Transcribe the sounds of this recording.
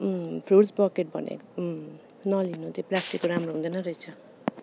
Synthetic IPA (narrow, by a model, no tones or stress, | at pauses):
pʰɾuʈsbʌkeʈ̚bʌ̰nḛk | nʌlinut̪eplasʈikːoɾamɾoɦũnd̪ʌnʌɾʌjt͡sʰʌ